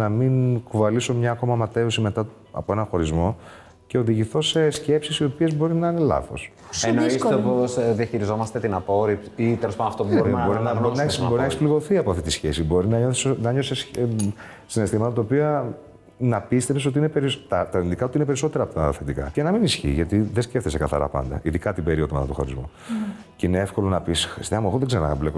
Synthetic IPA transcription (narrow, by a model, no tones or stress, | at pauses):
nɐminkuvɐliso̞mɲɐːko̞mɐmɐt̪e̞usime̞t̪ɐ | ɐ̰poe̞nɐ̃xo̞ɾizmo̞ | ce̞o̞ðiʝiθo̞se̞sce̞psisio̞pie̞zbo̞ɾinɐine̞lɐ̰θo̞̰s | enoist̪eposðiɐçiɾizo̞mɐst̪et̪inɐpoɾipit̪elospɐnɐft̪opubɾboɾinɐboɾinɐesoinekspliɣoθiɐpo̞ɐft̪it̪isçe̞̰sibo̞ɾinɐɲoθsnɐɲo̞ses | sine̞st̪imɐt̪ɐt̪ɐopiɐ | nɐpist̪efseso̞t̪iine̞peɾit̪ɐt̪ɐint̪ikɐo̞t̪iinep̬eɾiso̞t̪e̞ɾɐːpot̪ɐθe̞t̪ikɐ̰cenɐminisçḭʝɐt̪iðesceft̪esekɐθɐ̰ɾɐ̰pɐ̰nd̪ɐ̰iðikɐt̪ibe̞ɾioðomɐ̰t̪ɐt̪oxɐ̰ɾizmo̰ | ceineefko̞lo̞nɐpisst̪eɐmexoðeɡzeonɐ̰vlep